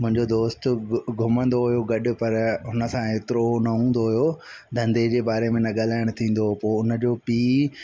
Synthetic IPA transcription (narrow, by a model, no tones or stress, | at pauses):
mʊ̃ɦɪ̃ɲd͡ʑod̪oːst̪ɡʱʊmə̃nd̪oɦʊjoɡɐɗʊ̆pɐɾɦʊnəsãeːt̪ɪɾonɐũːn̆d̪oɦʊjo | d̪ʱɐ̃nd̪ed͡ʑeːbaːɾemẽnɐɠalaːɪɽ̃t̪ʰĩːn̆d̪opoːɪʊnə̆d͡ʑoːpiː